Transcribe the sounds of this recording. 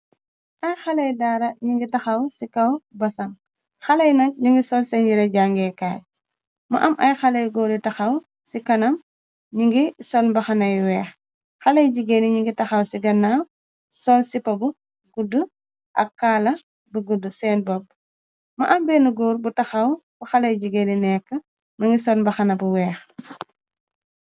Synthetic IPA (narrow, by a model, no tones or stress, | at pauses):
ʔɐjxɐlɐjdaːɾɐɲiŋɡitɐxɐwsikɐwbɐsɐŋ | xɐlɐjnɐk̚ɲiŋɡisɔlsɛnɟiɾɐɟaŋɡɛkaːj̚ | mɐ̰ʔɐmʔɐjxɐlɐjɡɔɾitɐxɐw | sikɐnɐm | ɲiŋɡisɔlmbɐxɐnɐjwɛːx | xɐlɐjɟiɡeniɲiŋɡitɐxɐwsiɡɐnːa | sɔlsipɐbu | ɡudːu | ʔɐ̰kːaːlɐ | bəɡudusɛːnbɔb̚ | mɐʔɐmbɛːnuɡɔːɾbutɐxɐwbuxɐlɐjɟiɡeninɛkːə | mɐŋɡisɔlmbɐxɐnɐbuwɛːx